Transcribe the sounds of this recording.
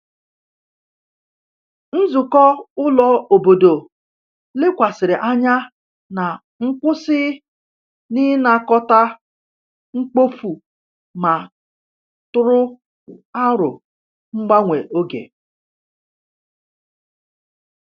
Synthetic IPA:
n̩˦zʊ˨kɔ˦ʊ˦lɔ˦o˨bo˨do˨ | lɪ˦kʷa˨sɪ˨ɾɪ˨ʔa˦ɲa˦ | na˨ | ŋ͡m̩˦kʷʊ˦sɪ˦ | nɪ˦na˨kɔ˦ta˦ | ŋ͡m̩˦k͡po˦fu˨ | ma˨ | tʊ˦ɾʊ˦ | a˦ɾʊ̰˨ | ŋ͡m̩˦ɡ͡ba˦ŋʷe˨ʔo˦ɡḛ˨

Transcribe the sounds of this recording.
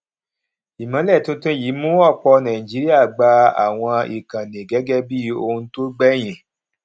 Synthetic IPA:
i˨mã˨˦lɛ˦˨tũ˦tũ˦ji˨˦mũ˦ɔ˦˨k͡pɔ˧nã˨i˨d͡ʒi˨˦ɾi˦a˦˨ɡ͡ba˧a̰˨w̃ɔ̃˧i˨kã˨nĩ˨ɡɛ˨˦ɡɛ˦bi˦o˧hũ˧to˦ɡ͡bɛ˦˨j̃ĩ˨

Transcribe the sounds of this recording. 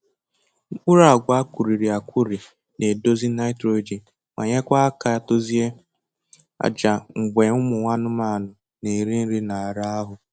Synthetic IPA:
k͡pʊ˦ɾa˨a˨ɡʷa˨a˦kʷu˨ɾi˨ɾi˨a˨kʷu˦ɾi˨ | ne˨do˦zi˦na˦ɪ˦tɾo˦d͡ʒi˨ | ma̰˨ɲe˦kʷa˦a˦ka˦˨to˦zi˦e˦ | a̰˨d͡ʒa˨ŋ͡m̩˨ɡ͡be˨ʊ˦mʊ˨ŋʷa˦nʊ˦ma˦˨nʊ˨ | ne˨ɾi˦n̩˦ɾi˦na˨a˨ɾa˦a˦ɦʊ˨

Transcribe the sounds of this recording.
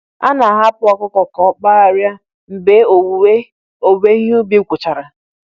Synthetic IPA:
a̰˦na˨ɦa˦pʊ˦ɔ˨kʊ˦kɔ˨kɔ˨k͡pa˦a˨ɾja˦ | m̩˨be˨˦o˨e˦ | o˨be˦ɲ˦u˦bi˦kʷʊ˨t͡ʃa˨ɾa˨

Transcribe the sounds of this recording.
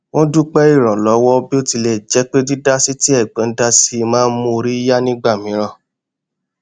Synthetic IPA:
w̃ɔ̃˦du˦k͡pɛ˦i˦˨ɾ̃ã˨lɔ˨˦wɔ˦bi˦o˦˨ti˧lɛ˨d͡ʒɛ˨˦k͡pe˦di˦da˦si˦ti˦ɛ˦˨ɡ͡bɛ̃˨˦n̩˦da˦si˦˧mãː˦n̩˦mũ˧ɾi˦i˦ja˦nĩ˦ɡ͡ba˦˨mĩ˨˦ɾ̃ã˧˨

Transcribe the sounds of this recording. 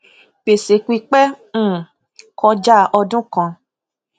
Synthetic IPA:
pe˨se˨˦kʷi˧k͡pɛ̃˦˨ | kʰɔ˧d͡ʒa˦ʔɔ˧dũ˦kã˧˨

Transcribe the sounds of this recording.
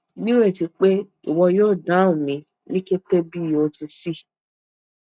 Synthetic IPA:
ni˦ɾe˦˨ti˨k͡pe˦ | ḭ˨wɔ˨jo˦˨da˨˦ʊ̃˨mĩ˨ | ni˦ke˦te˦bi˦˨jo˦ti˦si˦

